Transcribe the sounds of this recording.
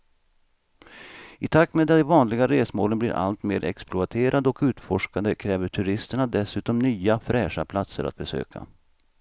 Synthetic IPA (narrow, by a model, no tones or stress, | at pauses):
ɪt̪ʰakt̪meːd̪ɛvɑːnlɪɡaɾeːsmoːlənblɪ̰ɾʔa̰lt̪meːɾɛksplʊat̪ʰeːɾʔad̪ɔkʉ̟ːt̪fɔʂkand̪əkʰɾɛːvəʈʰɵɾɪst̪əɳad̪ɛsʉ̟ːt̪ɔmnyːafɾɛːʂa̰pʰlat̪sə̰ɾʔa̰t̪̚bɛsø̰ːkʰa̰